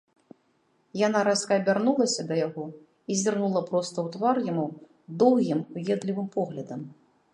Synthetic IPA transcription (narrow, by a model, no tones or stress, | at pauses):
janaɾaskɐːbʲarnulˠɐsʲɐd̪ɐjaɣɔ | izʲirnulˠɐpɾɔst̪ɐwt̪varjamu | d̪ɔwɣʲimujʲɛd̪lʲivɨmpɔɣlʲɐd̪ɐm